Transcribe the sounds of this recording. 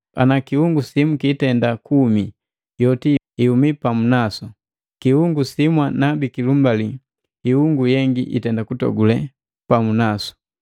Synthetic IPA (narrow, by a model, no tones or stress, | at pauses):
a̰nakiuŋɡusimukitɛndakumi | jɔti | iumipamunasɔ | kiuŋɡusimwanabikilumbaliː | huŋɡujɛŋɡiʔḭtɛndakutɔ̰ɡulɛ | pamunasɔ̥